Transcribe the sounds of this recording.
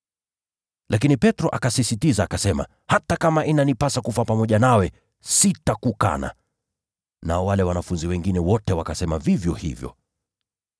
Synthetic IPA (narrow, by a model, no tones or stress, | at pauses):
lʔakinipɛtɾɔʔakasisitizaːkasɛma̰ | hatakamaʔinanipasakufapamɔʄanawɛ | sitakuka̰na̰ | naɔwalɛwanafunziwɛŋɡinɛwɔtɛwakasɛmavivjɔhḭvjɔ̰